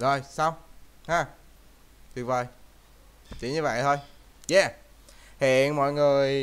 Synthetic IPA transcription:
zo˨˩jsa˧wŋ͡mhaː˧˩ | t̪ɨ˨˩ŋ̚və˨˩j | t͡ɕḭ˧˦ɲɨ˧və̰˧˨jt̪ʰo˧j | jɛː˧˩ | hḭ˧˨ənmɔ̰˧˨jŋɨ˨˩əj

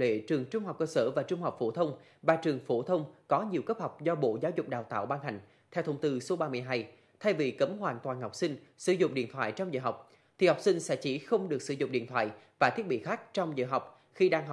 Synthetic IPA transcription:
lḛ˧˨t͡ɕɨ˨˩əŋt͡ɕʊ˧ŋ͡mha˨˩k͡p̚kəː˧səː˧˩vaː˨˩t͡ɕʊ˧ŋ͡mha˨˩wk͡p̚fo˧˩t̪ʰə˧wŋ͡m | vaː˨˩t͡ɕɨ˨˩əŋfo˧˩t̪ʰə˧wŋ͡mkɔ˨˦ɲi˨˩əwkə˦˥p̚ha˨˩wk͡p̚zɔ˧ɓo̰˧˨zaː˨˦wzʊ˨˩k͡p̚ɗaː˨˩wt̪a̰ː˧˨wɓaː˧nha˨˩jŋ̟ | t̪ʰɛ˧wt̪ʰə˧wŋ͡mt̪ɨ˧so˨˦ɓaː˧mɨ˧˩əjɦa˧j | t̪ʰa˧jvi˨˩kə˨˦mɦwaː˧˨nt̪waː˨˩nha˨˩k͡p̚sï˧ŋ̟sɨ˧˦zʊ̰˧˨ŋ͡mɗḭ˧˨ənt̪ʰwa̰ː˧˨jt͡ɕɔ˧wŋ͡mzə̰ː˧˨ɦa˨˩wk͡p̚ | t̪ʰi˨˩ha˨˩wk͡p̚sï˧ŋ̟sɛ̰˧˥t͡ɕi˧˩xə˧wŋ͡mɗɨ˨˩ək̚sɨ˧˩zʊ̰˧˨ŋ͡mɗḭ˧˨ənt̪ʰwa̰ː˧˨jvaː˨˩t̪ʰi˦˥ət̚ɓḭ˧˨xaː˦˥k̚t͡ɕɔ˧wŋ͡mzə̰ː˧˨ɦa˨˩wk͡p̚ | xi˧ɗaː˧ŋɦ

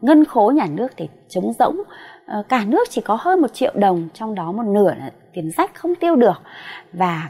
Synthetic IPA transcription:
ŋə˧nxo˨˦ɲaː˨˩nɨ˦˥ək̚t̪ʰe˧˩t͡ɕə˨˦wŋ͡mzə̰˧˥wŋ͡mkaː˧˩nɨ˦˥ək̚t͡ɕi˧˩kɔ˨˦həː˧jmo˨˩t̚t͡ɕḭ˧˨ə˨wɗə˨˩wŋ͡mt͡ɕɔ˧wŋ͡mɗɔ˨˦mo˨˩t̚nɨ˧˩ə˨˩t̪i˨˩ənza˨˦˥jk̟xə˧wŋ͡mt̪i˧əwɗɨ˨˩ək̚vaː˨˩

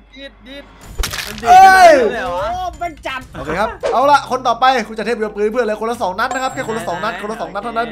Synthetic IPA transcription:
əː˥˧j | ba˧t͡ɕa˨mʔoː˨˧kʰeː˧kʰa˦˥ʔaː˧˩la˧˩ʔkʰo˧nt̪ɔː˨˩pa˧jkʰu˧t͡ɕt̪ʰe˥˩po˧mpɯː˧˥˦pʰɯ˥˩nlaː˧ko˧nla˧˥˩sɔː˩˦ŋna˦˥n̚na˦˥kʰa˦˥p̚kʰɛː˥˩ko˧la˧˥˩sɔː˩˦ŋna˦˥nkʰo˧nla˧˥˩sɔː˩˦ŋna˥t̪ʰːna˦˥n

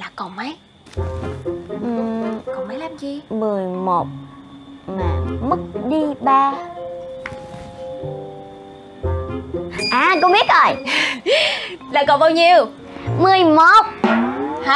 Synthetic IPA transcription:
laː˨˩kɔ˨˩mə˨˦j | ʔkɔ˧˩ŋ͡mma˨˦jlaː˦˥p̚t͡ɕi˧mɨ˨˩əjmo˨˩t̚ | maː˨˩mɨ˦˥k̚ɗi˧ɓaː˧ | ʔaː˨˩ko˧wŋ͡mɓi˦˥ət̚ʔo˨˩j | laː˨˩kɔ˨˩ɓaː˧wɲi˧əw | mɨ˨˩əjmo˨˩t̚h

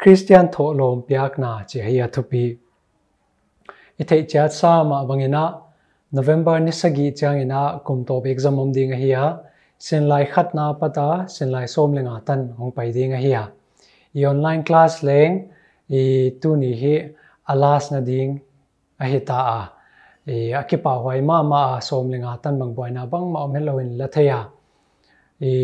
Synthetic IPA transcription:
kʰɾi˦stija˧nt̪ʰɔ˨ʔlɔ˨mpia˧˦k̚na˨t͡si˨əhi˦a˧t̪ʰu˧pi˧ | it̪ʰe˨jʔt͡si˧a˦sa˦˧ma˨ʔbɐŋi˨nɐ˧ʔ | nɔ˨vɛ˦mbɐrni˦sɐɡi˨ʔt͡si˧a˧ŋi˨na˨ʔku˨mt̪ɔ˨pɛ˧k̚zɐmɔ˧mdɪ˧ŋɐɦi˧a | si˧nla˧jkʰɐt̪̚na˧pɐt̪a˧si˨nla˧jsɔ˧mlɛ˧ŋa˨t̪ɐnhɔ˨˧ŋpɐ˨jdi˧ŋɐɦi˧a˨ | i˨ɔ˨nla˦jnklaslɛ˧ŋ | i˨t̪u˦ni˨ɦi˦ | ɐ˧laː˧snɐ˧di˧ŋ | ɐɦi˧t̪a˨ʔa˨ | i˨ɐ˧ki˦pa˨ɦwa˧jma˦ma˨ʔa˨sɔ˧mlɛ˨ŋaː˨t̪ɐ˦nbɐ˨ŋbu˨a˨jna˧˨bɐ˦ŋma˨ʔɔ˧mnɛ˦t̚lo˧wɪ˨nlɐt̪ʰe˧ja˨ | i

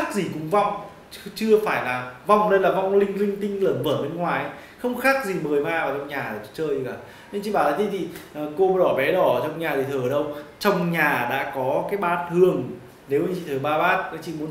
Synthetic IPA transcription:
xa˦˥k̚zi˨˩kʊ̰˨˥ŋ͡mva˧wŋ͡m | t͡ɕɨ˧əfaː˧˩jlaː˨˩va˧˩wŋ͡mne˧nlaː˨˩va˧wŋ͡mlï˧ŋ̟lï˧ŋ̟t̪ï˧ŋ̟ləː˧˩nvəː˧˩ɓe˧nŋwaː˨˩˦j | xə˧wŋ͡mxaː˦˥k̚zi˨˩məː˨˩jmaː˧aː˨˩t͡ɕɔ˧wŋ͡mɲaː˨˩˨t͡ɕt͡ɕəː˧jzi˧ka̰ː˧˩ | ɲ˧nt͡ɕḭ˧˨ɓaː˧˩laː˨˦t̪ʰi˧t̪ʰi˨˩ʔəː˨˩ko˧˩ɗɔ˧˩ɓɛ˨˦ɗɔ˧˩˨t͡ɕɔ˧wŋ͡mɲaː˨˩t̪ʰi˨˩əː˨˩˨ə˨˩ɗə˧wt͡ɕə˧wŋ͡mɲaː˨˩ɗa̰ː˧˥kɔ˨˦kaː˨˦jɓaː˦˥t̚t̪ʰɨ˨˩əŋ | ne˨˦wi˧˨t͡ɕḭ˧˨˩əː˨˩ɓaː˧ɓaː˦˥t̚nə˨˦t͡ɕḭ˧˨mu˨˦ə˦n

